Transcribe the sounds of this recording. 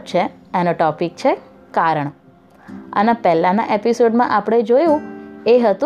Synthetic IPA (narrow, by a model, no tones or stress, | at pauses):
t͡ʃʰeenoʈɔpik̚t͡ʃʰe | kaɾəɳ | ə̰nepɛlãnã̰ʔepisoɖmãʔapɽ̃ed͡ʒojũeɦət̪ũ